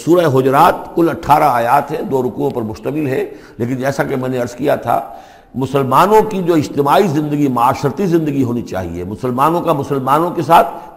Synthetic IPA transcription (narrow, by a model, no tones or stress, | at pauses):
suːɾəeɦʊd͡ʒɾaːt̪̚kʊlɐʈʰːaːɾaaːjaːt̪ɦɛ̃d̪oːɾʊkuõpɐɾmʊʃt̪əmɪlɦɛ | leːk̬ɪnd͡ʒɛːsakemɛ̃ːneɐɾskijat̪ʰa̰ː | mʊsəlmaːnõkid͡ʒoːɪd͡ʒt̪ɪmaːizɪ̃nd̪əɡimʊaːʃɾt̪izɪ̃nd̪əɡiɦoːnit͡ʃa̰ːɦḭḛmʊsəlmaːnõkamʊsəlmaːnõkesaːt̪ʰ